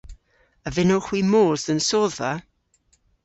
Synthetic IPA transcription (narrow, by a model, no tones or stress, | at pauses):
əvɪnʊχwiːmoːzənsoːða